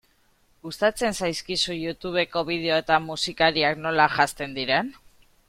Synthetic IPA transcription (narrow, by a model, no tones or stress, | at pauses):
ɡust̪at͡se̞nsajskisujut̪uβ̞e̞ko̞βið̞e̞oe̞t̪amusikaɾiakno̞laʝast̪e̞nd̪iɾe̞n